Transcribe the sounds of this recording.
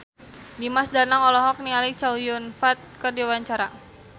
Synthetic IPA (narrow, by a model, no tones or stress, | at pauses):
dimasdanaŋɔlɔɦɔk̚nialit͡ʃawjʊnfat̪̚kərdiwaɲt͡ʃaɾa